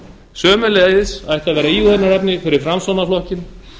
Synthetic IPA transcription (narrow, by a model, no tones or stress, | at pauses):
sœːmʏleːðɪsajht̪aðvɛːɾaiːuθɛnːaɾɛpnɪfɪɾɪɾ̥fɾamsɔnaflɔhcɪn